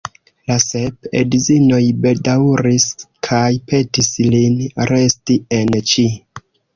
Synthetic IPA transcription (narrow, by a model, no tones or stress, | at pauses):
lasepḛdizino̞jbe̞dawɾiskʰajpe̞tislinɾe̞stie̞nt͡ʃi